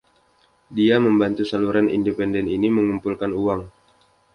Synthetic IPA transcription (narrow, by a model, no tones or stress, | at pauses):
diaməmbant̪usaluɾanḭndepɛndɛniniməŋumpulkanuaŋ